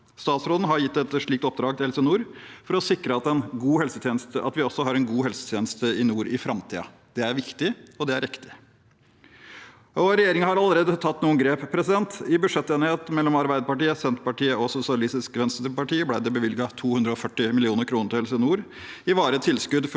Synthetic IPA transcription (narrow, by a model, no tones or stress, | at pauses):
st̪ɑːt̪sɾoːd̪n̩ɦɑɾjɪt̪ːɛt̪ʂɭiːk̚t̪ɔp̚d̪ɾɑːɡ̚t̪ɪɛlseːnuːɾfɔɾɔsɪkɾəɑt̪ɛnɡuːɦɛlsət̪ʰjeːnəst̪əʔɑ̰t̪ʋɪɔsːɔɦɑɾɛnɡuːɦɛlsə̥t̪ʰjeːnəst̪əɪnuːɾɪfɾɑmt̪ʰḭːə̰ | d̪̥ɛæɾʋɪkt̪ɪɔd̪ɛæɾɪkt̪ɪ̥ | ɔɾɛjeːɾɪŋəhɑɾɑlːəɾeːd̪ət̪ʰɑt̪ːnuːənɡɾeːppʰɾɛsɪd̪ɛnt̪ɪbʉʂɛt̪ːeːnheːt̪mɛlːɔmɑɾbæɪd̪əpɑʈiːəsɛnt̪pɑʈiːəɔsʊsɪɑlɪst̪ɪskʋɛnst̪ɾɾpɑʈiːəblæɪd̪ɛbəʋɪlɡɑt̪ʰuːhʉnd̪ɾəɔfœʈːɪmɪlɪuːnəɾkʰɾuːnəɾʈ̪ɪɛlsenuːɾ | ɪʋɑːɾət̪ʰɪlskʉd̪f